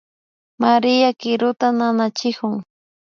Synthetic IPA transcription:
maɾɪjakɪɾʊt̪ananat͡ʃɪkʊŋ

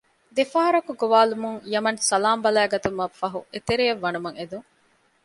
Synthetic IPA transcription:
d̪efɐːɦɐɾɐkuɡoʋaːlumuŋjɐmɐnsɐlaːmbɐlæːɡɐt̪umɐfːɐɦuet̪eɾijɐʋːɐnumɐŋed̪uŋ

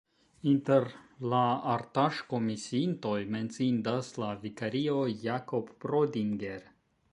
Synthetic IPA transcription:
int̪eɾlaaɾt̪aʃko̞misiint̪o̞jme̞nt͡sind̪aslavikaɾio̞jakopːɾodiŋɡe̞ɾ

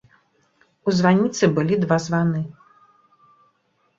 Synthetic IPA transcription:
uzvanʲit̪sɨbɨlʲid̪vazvanɨ

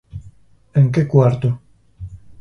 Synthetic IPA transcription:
eŋk̬ekwaɾt̪o

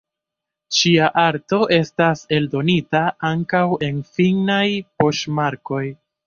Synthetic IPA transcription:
ʃiaʔaɾto̞ʔe̞stase̞ldo̞nitaaŋkawe̞nfiŋnajpo̞ʃmaɾko̞j

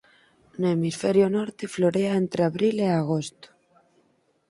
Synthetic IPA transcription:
noemisfeɾjonoɾt̪efloɾeaent̪ɾeaβɾileaɣ̞ost̪o̥

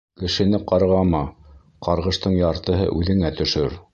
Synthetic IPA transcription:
kɘ̆ʃɘ̆nɘqɑɾʁɑmɑ | qʰɑɾʁɤ̆ʃt̪ɤɴjɑɾt̪ɤ̆ɦɤ̰ʔʉðɘ̆ŋæt̪ɵ̆ʃɵɾ

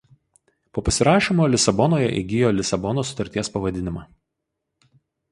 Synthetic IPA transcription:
poːpɐsʲɪɾɑːʃʲimoːlʲɪsɐbɔnoːjɛ̰ʔḭɡʲɪjoːlʲɪsɐbɔnoːsʊt̪ɐɾʲt̪ʲiɛspɐʋɐd̪ʲɪnʲɪmɑː

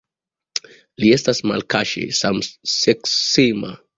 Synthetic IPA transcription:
lie̞stasma̰lkaʃḛsamseksima̰

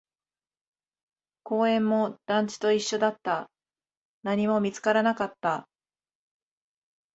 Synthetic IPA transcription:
ko̞ːẽ̞mːo̞d̪̥ãɲ̟t͡ɕi̥t̪o̞iɕːo̞d̪at̪ːa | naɲ̟imo̞mʲit͡sɨ̥kaɾanakat̪ːa

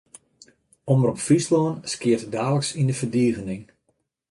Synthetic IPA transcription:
omərɔpfislɔːnskɪərtdaːləksindəfərdiəɣənɪŋ

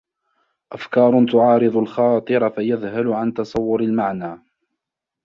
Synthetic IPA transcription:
ʔafkɑːɾˤʊt̪ʊʕɑːɾɨðˤʊlxɑːt̪ˤɨɾˤɑfajaðhalʊʕant̪ɑsˤɑwːʊɾalmaʕnaː

